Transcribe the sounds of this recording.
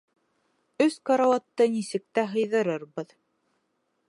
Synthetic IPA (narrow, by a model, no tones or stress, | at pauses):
ɵskɑɾɑwɑt̪ːɤnisɘ̆k̚t̪æɦɤ̆jðɤ̆ɾɤɾβɤð